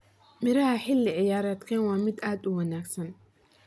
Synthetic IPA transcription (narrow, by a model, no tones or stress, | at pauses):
mɪɾɐhɐħɪlːɪʕɪjaːɾaːd̪kʰɛːnwɑːmɪd̪ʔaːd̪ʊwɑnaːɡsɐn